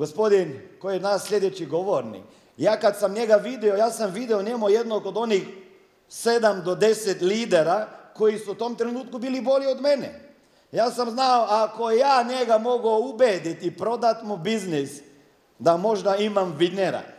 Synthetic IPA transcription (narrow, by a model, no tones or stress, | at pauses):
ɡospod̪inkojɛnasʎʲed̪et͡ʃiɡoʋoɾnḭk | jaːkat̪samɲeɡaʋid̪ɛojaːsamʋid̪ɛoɲemujed̪nokod̪o̞nix | sed̪amd̪od̪esɛt̪liːd̪eɾakoisuut̪omt̪ɾenuːt̪̚kubiːliboliod̪menɛ̰ | jaːsamznaoakojaːɲeɡamoɡoubed̪it̪ipɾod̪at̪mubiznis | d̪amoʒd̪aimamʋidneɾa̰